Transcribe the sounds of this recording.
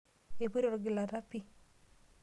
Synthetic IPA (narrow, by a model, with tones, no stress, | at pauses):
e˨pe˦ɾɔ˨ɾɡɪ˨la˨ɾa˦pi˦